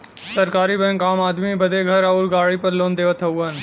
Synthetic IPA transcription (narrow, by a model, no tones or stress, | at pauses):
səɾkaːɾibɛ̃ːŋkaːmaːd̪mibɐd̪ʱeɡʱɐɾɐʊɾɡaːɽipɐɾlõːnd̪eːʋət̪ʰɐuən̆